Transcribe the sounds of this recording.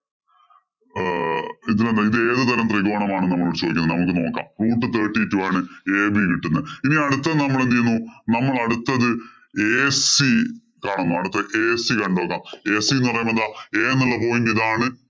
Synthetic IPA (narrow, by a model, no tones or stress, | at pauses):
iðilend̪ɐiðe̞ːðɨt̪ɐɾɐmt̪riɣoːɳɐmaːɳɨnɐmːɐɭuɽt͡ɕoːd̪ikʲːunːðɨnɐmuk̬ːɨno̞ːkːa̰ːmruːʈːɨt̪eːʈːitːuaːɳɨeːbikiʈːunːɐiniɐɽut̪ːɐðnɐmːɐɭend̪ijunːunɐmːɐɭɐɽut̪ːɐðɨ | eːsi | kaːɳunːuɐɽut̪ːɐʔeːsikɐɳɖo̞ːkːaːmeːsienːɨpɐrɐjumɐnd̪aːeːnːɐlːɐpo̞ːjindiðaːɳɨ